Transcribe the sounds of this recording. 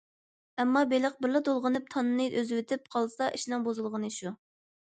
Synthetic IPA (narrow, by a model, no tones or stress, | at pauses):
ɛmːɑbeləq̚bɪɾlɨd̪olˠʁənɨp̚t̪ʰɑnːɨnɨʔøzwɪt̪ʰɪp̚qʰɑlˠsɑʔiʃlɑŋbozɨlˠʁənɨʃu